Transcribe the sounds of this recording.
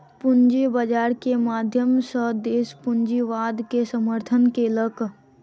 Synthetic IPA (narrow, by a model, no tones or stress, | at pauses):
pʊnd͡ʒibəd͡ʒaːɾkemaːd̪ʱjəmsəd̪eːspʊnd͡ʒiʋaːd̪kesəməɾt̪ʰənkelək